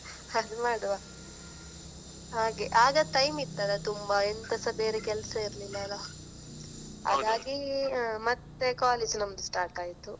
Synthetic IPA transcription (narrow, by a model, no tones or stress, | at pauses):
hɐd̪umaːɽɐʋaː | ɦaːɡeʔaːɡɐʈɐjmit̪ːɐd̪et̪umbɐent̪ɐsɐbeːɾekɛlsɐiɾlilːɐlɐ | ɐ̰d̪aːɡimɐt̪ːekaːled͡ʒnɐmɐd̪usʈaːɾʈaːjit̪u